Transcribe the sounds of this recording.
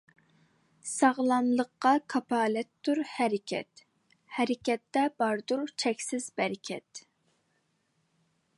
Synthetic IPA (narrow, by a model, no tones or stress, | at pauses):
sɑʁlˠɑmlˠəqːɑkʰɑpʰɑːlɛt̪ːuɾhɛɾɪkʲʰɛ̰t̪ | hɛɾɪkʲɛt̪ːɛb̥ɑɾd̪uɾt͡ʃʰɛkʲsɪzbɛɾɪkʲʰɛ̰t̪